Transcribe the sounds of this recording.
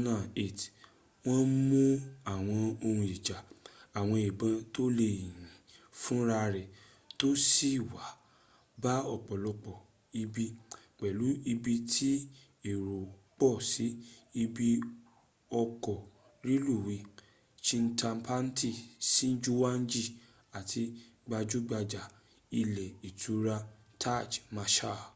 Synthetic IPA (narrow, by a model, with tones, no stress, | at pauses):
nã˦˨e˨t | w̃ɔ̃˦n̩˦mũ˦a˨w̃ɔ̃˧o˧hũ˧i˨d͡ʒa˨a˨w̃ɔ̃˧i˨bã˧to˦le˨jĩ˨fũ˦ɾa˧ɾɛ˨ | to˦si˦˨wa˨˦ | ba˦ɔ˨k͡pɔ˨lɔ˧k͡pɔ˨ | i˧bi˧k͡pɛ˨lu˨˦i˧bi˧tʰi˦ | i˨ɾo˨k͡pɔ˦˨si˨˦i˧bi˧ | ɔ˧kɔ˨ | ɾi˦lu˦˨wi˧˦ | t͡ʃĩ˧n̩˦tʰa˧m̩˦pʰa˦n̩˦ti˦˨si˦n̩˦d͡ʒu˦wa˦n̩˦d͡ʒi˦˨ | a˨tʰi˧ɡ͡ba˧d͡ʒu˦ɡ͡ba˧d͡ʒa˨ | i˧lɛ˨i˨tu˨˦ɾa˧ | tʰa˦˨d͡ʒmã˧ʃa˦˨